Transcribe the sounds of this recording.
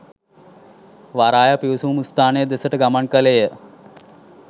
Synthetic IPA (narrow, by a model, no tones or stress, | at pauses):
ʋaɾaːjɐpiwsumust̪aːned̪esəʈɡɐməɳkəlejə